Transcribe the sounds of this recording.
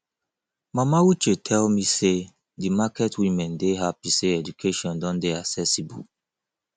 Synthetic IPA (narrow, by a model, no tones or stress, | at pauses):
mamawut͡ʃetʰɛlmise | dimakɛtwimɛ̃ndeɦapiseɛdukʰeʃɔ̃ndɔ̃ndeaksɛsibṵ